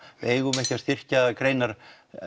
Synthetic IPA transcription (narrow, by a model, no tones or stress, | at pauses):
ʔeːjɣʏmɛhcast̪ɪr̥caðakɾejnaɾ